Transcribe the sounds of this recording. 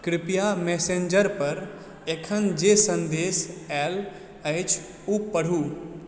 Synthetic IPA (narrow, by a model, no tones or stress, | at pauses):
kɾɪpijameːsẽnd͡ʒəɾpɐɾ | ekʰənd͡ʒesə̃nd̪eːsɛːl | əɪt͡ʃʰ | upəɽ̤uː